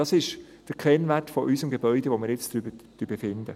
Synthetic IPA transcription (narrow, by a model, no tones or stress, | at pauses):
ɑsɪʃ | d̥əɾkʰɛnʋærtfɔʔysəmɡebœʏdɛʋomɪːɾjɪt͡sd̥ɾybət̪ybəfɪnd̪ə